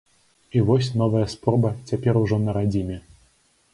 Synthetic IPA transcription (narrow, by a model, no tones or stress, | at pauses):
ivɔsʲn̪ɔvɐjɐspɾɔbɐt͡sʲapʲɛɾuʐɔnɐɾad͡zʲimʲɛ